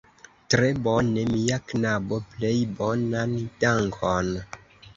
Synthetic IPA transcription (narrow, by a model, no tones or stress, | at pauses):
tɾebone̞miaknaboplejbonandaŋkʰon